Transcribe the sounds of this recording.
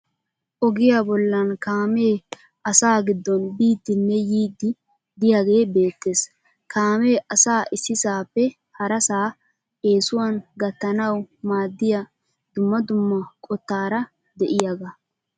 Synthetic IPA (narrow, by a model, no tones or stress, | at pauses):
ʔɔɡɪjaːbɔlːɐnkaːme̞ː | ʔɐsaːɡɪd̪ːɔnbiːd̪ːɪnːɛjiːd̪ːɪ | d̪ɪjaɡe̞ːbe̞ːt̪ːe̞ːs | kʰaːme̞ːʔɐsaːʔɪsːɪsaːpːɛ | hɐɾɐsaː | ʔe̞ːsʊwɐnɡɐt̪ːɐnɐwmaːd̪ːɪjɐ | d̪̥ʊmːɐd̪ʊmːɐkʼɔt̪ːaːɾɐ | d̪ɛʔɪjɐɡɐ